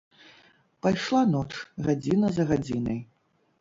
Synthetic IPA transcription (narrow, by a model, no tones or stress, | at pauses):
pajʂlˠanɔt͡ʂɣad͡zʲinɐzɐɣad͡zʲinɐ̰j